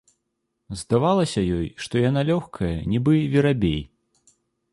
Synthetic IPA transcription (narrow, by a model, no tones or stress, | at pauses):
zd̪avalˠɐsʲɐjɔjʂt̪ɔjan̪alʲɔxkʰɐjɐnʲibɨvʲiɾabʲḛj